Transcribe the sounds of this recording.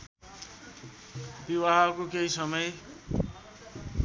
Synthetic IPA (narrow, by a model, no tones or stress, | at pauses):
biwaɦakokeɦisʌmʌj